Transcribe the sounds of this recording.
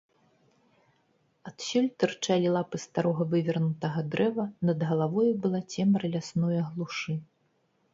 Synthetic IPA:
at̪sʲulʲt̪ɨrt͡ʂalʲilˠapɨst̪aɾɔɣɐvɨvʲɐrnut̪ɐɣɐd̪ɾɛvɐnɐd̪ɣɐlˠavɔjubɨlˠat͡sʲɛmɾɨlʲasnɔjɐɣlˠuʂɨ

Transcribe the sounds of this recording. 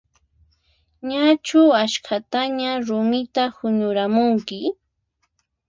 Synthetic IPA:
ɲat͡ʃʊaʃkʰat̪aɲaɾʊmɪt̪ahʊɲʊɾamʊŋkɪ

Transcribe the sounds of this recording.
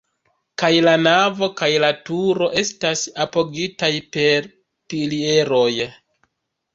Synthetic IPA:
kajlanavo̞kajlatuɾo̞ʔe̞stasapo̞ɡitajpe̞ɾ | pilie̞ɾo̞j

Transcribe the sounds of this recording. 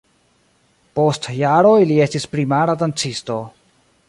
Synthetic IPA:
po̞stjaɾolie̞stispɾimaɾadant͡sisto̞

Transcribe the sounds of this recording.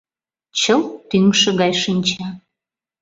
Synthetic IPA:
t͡ɕəlt̪yŋʃə̆ɣɑjʃinʲt͡ɕɑ

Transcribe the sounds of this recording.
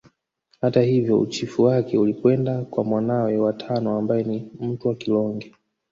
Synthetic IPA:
hatahivjɔṵt͡ʃifuwakɛulikwɛndakwamwanawɛwatʰanɔambajɛnim̩tuwakilɔŋɡɛ

